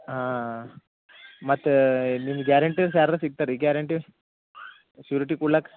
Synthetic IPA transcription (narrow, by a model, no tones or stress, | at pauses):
ã | mɐt̪minɡaɾɐɳʈiɾsaɾɾasiɡ̚t̪aɾiɡjaɾɐɳʈi | suɾiʈikulak